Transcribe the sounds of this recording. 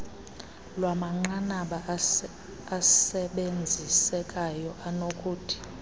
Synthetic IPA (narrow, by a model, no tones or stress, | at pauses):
lwamaŋ͡ǃanaɓaː | ssɛɓend͡zʱisɛkʼajɔʔanokʼuːtʰi̥